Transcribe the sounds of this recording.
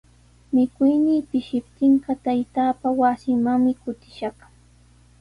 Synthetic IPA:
mɪkʊjniːpɪʃɪp̚t̪ɪɴɢɑt̪ajt̪aːpawasɪmaŋmɪkʊt̪ɪ̥ʃɑχ

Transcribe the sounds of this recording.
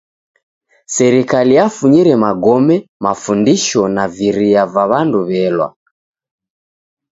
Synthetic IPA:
sɛɾikalijafuɲiɾɛmaɡɔmɛmafundiʃɔnaviɾiavaβanduβɛlwa̰

